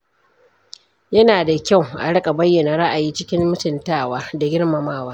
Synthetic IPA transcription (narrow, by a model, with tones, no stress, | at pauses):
jɐ˦naː˨da˨kʲa˦˨wʔa̰˨ɽɐ˦kʼa˨bɐ˦jːɐ˨na˨ɾa˦ʔa˨jiː˦t͡ʃɪ˦kʲɪ˦mːʊ˦tɪ˨ntaː˦waː˦da˨ɡʲɪ˦ɽma˨maː˦waː˦